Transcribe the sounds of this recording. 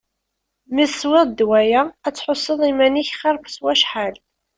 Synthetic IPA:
misːwɪðˤd̪wæjææt͡sːħosˤːəðˤimæniçχɪɾˤfswæʃħal

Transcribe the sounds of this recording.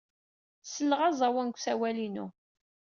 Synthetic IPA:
səlːəʁɑzˤɑwænkʷsæwælinṵ

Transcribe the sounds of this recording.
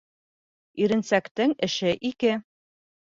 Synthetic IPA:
iɾɘ̆nsækt̪ɘŋɘ̆ʃɘʔikɘ

